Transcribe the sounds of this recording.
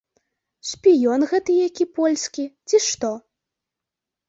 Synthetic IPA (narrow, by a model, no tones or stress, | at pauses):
ʂpʲijɔnɣɛt̪ɨjakʲipɔlʲsʲkʲit͡sʲiʂt̪ɔ